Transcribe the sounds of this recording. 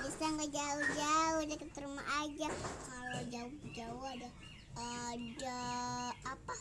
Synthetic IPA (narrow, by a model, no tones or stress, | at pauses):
bisaŋɡad͡ʒaʊd͡ʒaʊhdakət̪əɾuma̰ʔad͡ʒakalod͡ʒaʊd͡ʒaʊɦada | əda | apa